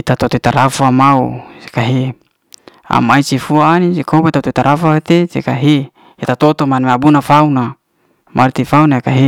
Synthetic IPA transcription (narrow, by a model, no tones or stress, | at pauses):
it̪at̪ot̪oit̪aɾafamaṵse̥kaɦe | a̰mait͡ʃifuaːnid͡ʒekʰobet̪ot̪oit̪aɾafat̪esḛkaɦe | et̪at̪ot̪omanmabunafauna | mʔaɾt̪ifaunaakaɦe